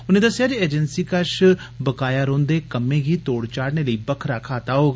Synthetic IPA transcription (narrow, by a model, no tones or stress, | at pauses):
ʊnẽːd̪əsjaːd͡ʒieːd͡ʒənsiːkəʃ | bəkaːjaːɾõːnd̪eːkəmẽːɡiːt̪oːɽt͡ʃaːɽneːləiːbəkʰɾaːkʰaːt̪aːɦoːɡa